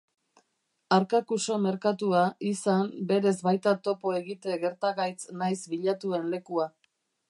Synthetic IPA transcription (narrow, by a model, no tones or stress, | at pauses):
aɾkakuso̞me̞ɾkat̪uaisambe̞ɾe̞zbajt̪at̪o̞po̞e̞ɣit̪e̞ɣe̞ɾt̪aɣajt͡snajsbiʎat̪ue̞nle̞kua